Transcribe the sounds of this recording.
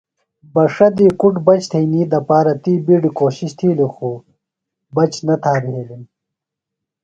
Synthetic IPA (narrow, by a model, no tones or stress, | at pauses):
bɐʂɐd̪iːkuʈbɐt͡ɕt̪ʰɐjniːd̪ɐpaːɾɐt̪iːbiɖikoːɕiɕt̪ʰiːluxu | bɐt͡ɕnɐt̪ʰaːbiɦeːlin